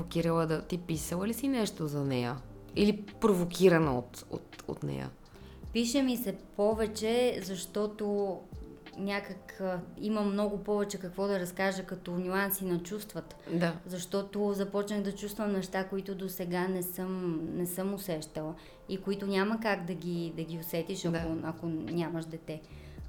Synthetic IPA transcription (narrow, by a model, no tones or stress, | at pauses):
pvokiɾəlˠəd̪ɐt̪ipisəlˠəlisinɛʃt̪ozɐnɛjə | ilipɾovokʲʰiɾɐnəo̰t̪o̰t̪o̰t̪nɛ̰jə̰ | piʃɛmisɛpɔvɛt͡ʃɛzɐʃt̪ɔt̪o | nʲakəkimɐmnɔɡʊpɔvɛt͡ʃɛkɐkvɔd̪ɐɾɐskaʒəkɐt̪ɔnʲuansinɐt͡ʃust̪vət̪d̪azɐʃt̪ɔt̪ozɐpɔt͡ʃnəxd̪ɐt͡ʃust̪vɐmnɛʃt̪akoit̪ʊd̪osɛɡanɛsɤmnɛsɤmʊsɛʃt̪ɛlˠ | ikoit̪ʊnʲaməkaɡd̪ɐɡʲid̪ɐɡʲiosɛt̪iʃɐd̪koɐkonʲaməʃd̪ɛt̪ɛ